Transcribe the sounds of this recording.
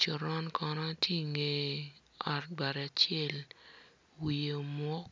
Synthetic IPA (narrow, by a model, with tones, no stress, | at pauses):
t͡ʃɔ˨ɾɔ˦nkʰɔ˧nɔ˦tje˦ŋe˦ | ɔ˨t̚ba˨ɾɛ˨a˨t͡ʃɛ˦l | wi˨o˨mwɔ˦k̚